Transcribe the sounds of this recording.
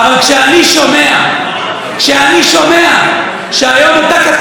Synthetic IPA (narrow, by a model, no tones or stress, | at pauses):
alkʃeaniʃomea | kʃeaniʃomea | ʃeajomat̪akat̪